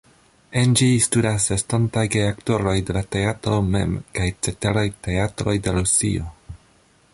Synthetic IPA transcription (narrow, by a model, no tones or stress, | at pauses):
e̞nd͡ʒistudasestontajɡeakto̞ɾo̞jde̞late̞atɾo̞me̞̰mkajt͡se̞teɾajte̞atɾo̞jde̞ɾusḭo̞